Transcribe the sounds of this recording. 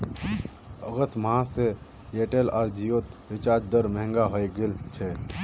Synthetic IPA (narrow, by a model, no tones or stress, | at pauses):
əɣət̪ʰmãse | eːʈelaːɾd͡ʒijoːt̪ɾɪt͡ʃaːd͡ʒd̪əɾməɦə̃ŋɡaɦəjɡelt͡ʃʰe